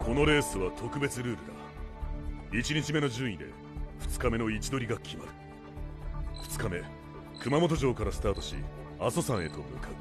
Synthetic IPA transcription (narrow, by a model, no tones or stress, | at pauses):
kʰo̞no̞ɾe̞ːsɨβat̪ʰo̞kɯ̟be̞t͡sɨɾɯ̟ːɾɯd̪a̰ | it͡ɕiɲ̟it͡ɕime̞no̞ʑɨːĩd̪e̞̰ | ɸɯ̟̥t͡sɨ̥kame̞no̞it͡ɕid̪o̞ɾʲiɡakʲʰima̰ɾɯ̟ | ɸɯ̟̥t͡sɨ̥kame̞ | kɯ̟mamo̞t̪̬o̞ʑo̞ːkaɾasɨ̥t̪aːt̪o̞ɕḭaso̞sãɰ̃e̞t̪o̞̰mɯ̟kaɯ̟